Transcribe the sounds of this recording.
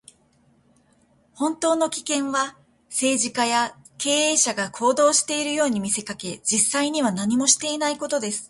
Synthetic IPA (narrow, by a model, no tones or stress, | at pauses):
hõ̞nt̪o̞ːno̞kʲi̥kẽ̞ɰ̃βa | se̞ːʑikaja | ke̞ːeːɕaɡakʰo̞ːd̪o̞ːɕi̥t̪e̞iɾɯ̟jo̞ːɲ̟imʲise̞kake̞d͡ʑisːaiɲ̟iβanaɲ̟imo̞ɕi̥t̪e̞inaiko̞t̪o̞d̪e̞sɨ̥